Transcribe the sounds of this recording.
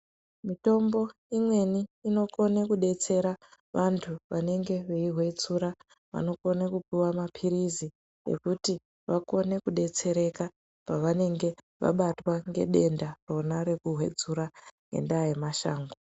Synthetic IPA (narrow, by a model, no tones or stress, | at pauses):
mito̞mbo̞ | imwe̞niːno̞ko̞nekuɗe̞t͡se̞ɾa | ʋantʰuʋane̞ŋɡe̞ʋeiɦwe̞d͡zuɾa | ʋa̰no̞ko̞nekupiwamapʰiɾizi | ḛkuti | ʋako̞ne̞kuɗe̞t͡se̞ɾe̞ka | paʋane̞ŋɡe̞ | ʋa̰ɓatwaŋɡe̞̰ɗe̞ndaro̞naɾe̞kuɦwe̞̰d͡zuɾaŋɡḛndaje̞maʃaːŋɡo